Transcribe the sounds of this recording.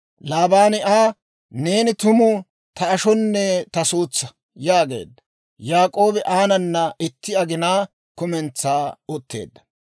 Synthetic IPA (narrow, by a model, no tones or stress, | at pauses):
laːbaːnɪʔaː | ne̞ːnɪt̪ʊmʊ | t̪ɐːʃɔnːɛt̪ɐsuːt͡sːɐ | jaːɡe̞̰ːd̪ːɐ | jaːkʼo̞ːbɛʔaːnɐnːɐɪt̪ːɪɐɡɪnaː | kʊmɛnt͡sːaːɔt̪ːe̞̰ːd̪ːɐ̥